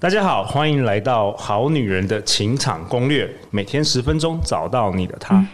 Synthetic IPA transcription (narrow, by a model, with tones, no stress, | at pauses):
t̪a˥˩t͡ɕja˥xɑ˨˩ʊxwa˥ni˧˥ŋla˧˥ɪt̪ɑ˥˨˩ʊxɑ˨˧˦ʊny˨˩ɻə˨˦nd̪ə˧t͡ɕʰi˨˥ŋʈ͡ʂʰɑ̰˨˩ŋkʊ˦˥ŋlɥɛ˥˩ | me˨˩ɪt̪ʰjɛ˥nʂɻ̩˧˥fə˦nʈ͡ʂʊ˥ŋt͡sɑ˨˩ʊt̪ɑ˥˩ʊnḭ˨˩d̪ə̰˦t̪ʰa˦˥